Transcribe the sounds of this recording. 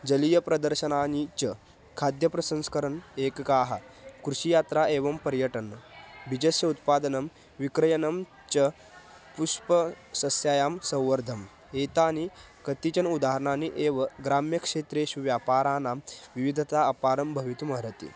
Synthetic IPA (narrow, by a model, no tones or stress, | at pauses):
d͡ʒɐlijɐpɾɐd̪əɾɕɐnaːnit͡ʃə | kʰad̪jɐpɾɐsənskɐɾəneːkkaːɦakɾuɕijaːt̪ɾaeːʋɐmpɐɾjəʈɐnːbʱid͡ʒɐsjɐut̪̚paːd̪ɐnɐm | ʋikɾɐjɐnɐm | t͡ʃɐ | puʂpə | sɐsjaːjaːmsɐ̃wʋɐɾd̪ʱɐm | eːt̪aːni | kɐt̪it͡ʃɐnud̪aɦɐɾɳaːniʔeːʋɐɡɾaːmjɐkʂeːt̪ɾeːɕuʋjaːpaːɾaːnaːmʋiʋid̪ʱɐt̪aəpaːɾɐmbʱɐʋit̪umɐɾɐt̪ḭː